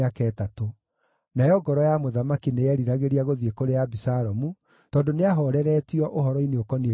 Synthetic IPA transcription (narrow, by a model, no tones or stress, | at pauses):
akɛːtato | najɔɡɔɾɔjamoðamakinejɛɾiɾaɣeɾiaɣoðwekoɾeabisaɾɔmu | tɔːndoneaɦɔɾɛɾɛtiɔʔoɦɔɾɔineokɔnie